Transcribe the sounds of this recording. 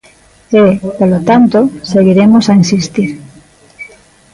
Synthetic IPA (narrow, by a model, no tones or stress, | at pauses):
epolot̪ant̪oseɣiɾemosainsist̪iɾ